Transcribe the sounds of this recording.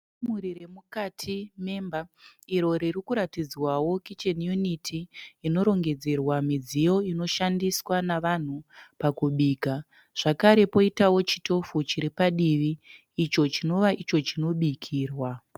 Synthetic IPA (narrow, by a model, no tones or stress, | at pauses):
muɾiɾe̞mukatʰime̞mbaiɾo̞ɾirikuɾatid͡zwawo̞kit͡ʃenjunitʰiːno̞ɾo̞ŋɡe̞d͡ze̞rwamid͡zijo̞ino̞ʃandiswanaʋan̤upakuɓiːka | ʐ̥akaɾe̞po̞itawo̞t͡ʃi̥to̞fut͡ʃiɾipaɗiʋiː | t͡ʃo̞t͡ʃino̞ʋaʔit͡ʃo̞t͡ʃino̞ɓikʰiːrwa